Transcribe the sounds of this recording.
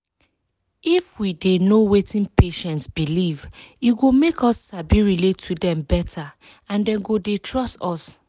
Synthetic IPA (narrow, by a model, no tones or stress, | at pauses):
ifwidenowetĩnpeʃɛ̃ntsbiliviɡomekʰɔsːabiɹiletʰːudɛ̃mbɛtʰaãndɛ̃nɡodetʰɹɔstɔs